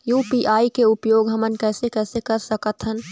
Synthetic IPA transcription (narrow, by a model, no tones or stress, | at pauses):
juːpiʔaːikeʊpjoːɡɦəmənkɛːsekɛːsekəɾsəkət̪ɦən